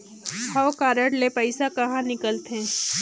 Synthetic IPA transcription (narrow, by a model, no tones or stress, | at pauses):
awkaːɾəɽlepɐɪsakɐɦãnɪkəlt̪ẽː